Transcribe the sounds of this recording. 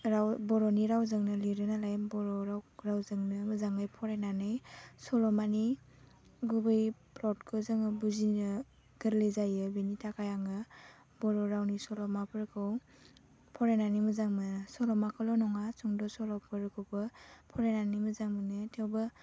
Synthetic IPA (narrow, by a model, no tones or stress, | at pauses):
ɾawbɔɾɔniɾawzɯŋnɯliɾɯnalajmbɔɾɔɾawɾawzɯŋnɯmɯzaŋɯjpʰɔɾenanɯjsɔlɔmani | ɡubɯjplɔt̚kʰɯzaŋɯbuzinɯ | ɡ̥ɯɾlezajɯbinitʰakʰajaŋɯ | bɔɾɔɾawnisɔlɔmapʰɯɾkʰɯw | pʰɔɾenanimɯzaŋmɯnsɔlɔmakʰɔlɔnɔŋat͡ʃuŋdɔsɔlɔpʰɯɾɯkʰɯwbɯpʰɔɾenanimɯzaŋmɯnɯtʰewbɯ